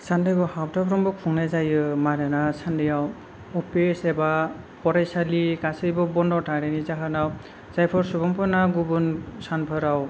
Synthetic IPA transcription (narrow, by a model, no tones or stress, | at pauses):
sandɯjbɔhawtʰapʰɾɔmbɔkʰuŋnazajɯmaɾanasandijaw | ɔpesɛba | pɔɾajsalikasɯjbɔbɔndɔtʰaɾenizaɦanaw | zajpʰɔɾsubɔmpʰɔnaɡubunsanpʰɔɾaw